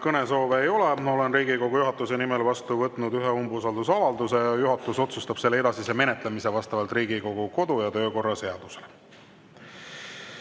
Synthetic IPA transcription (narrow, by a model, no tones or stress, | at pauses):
kɤne̞so̞ːveejo̞leo̞lenriːɡiko̞ɡ̥ujuɦɑt̪ːˑuse̞nimelvɑst̪uvɤt̪ːˑnud̪yɦeumbus̬ɑld̪usɑvɑld̪use̞jɑjuɦɑt̪ːˑuso̞t̪sust̪ɑb̥se̞lːee̞d̪ɑsise̞me̞net̪ˑlemise̞vɑst̪ɑvɑlt̪riːɡiko̞ɡuko̞d̪̥ujɑt̪ø̞ːko̞rːɑse̞ɑd̪̥use̞le